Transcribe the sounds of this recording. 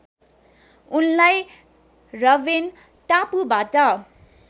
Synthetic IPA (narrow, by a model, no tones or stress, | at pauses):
unlaj | rʌben | tapubaʈʌ